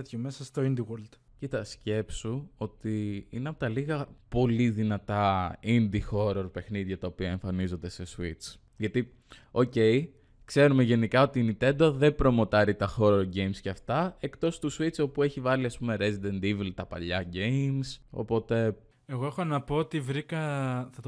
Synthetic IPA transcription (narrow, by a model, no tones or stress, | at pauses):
t̪çomesɐst̪oind̪iwoɾld̪̥ | cit̪ɐsce̞psuo̞t̪iineɐpot̪ɐliɣɐpo̞liðinɐt̪ɐind̪ixo̞ɾoɾpe̞xniðʝɐt̪ɐopiɐeɱfɐnizo̞nd̪e̞se̞suit͡s | ʝɐt̪i | o̞ce̞j | kse̞ɾumeʝe̞nikɐo̞t̪init̪e̞nd̪oðe̞pɾo̞mo̞t̪ɐɾit̪ɐxo̞ɾɾɟe̞jmsceɐft̪ɐe̞kt̪o̞st̪usuit͡so̞pue̞çivɐliɐspume̞ɾezid̪end̪ivlt̪ɐpɐ̰ʎɐɟe̞jmso̞̰po̞t̪e̞ | eɣo̞e̞xo̞nɐpo̞ot̪ivɾikɐθɐt̪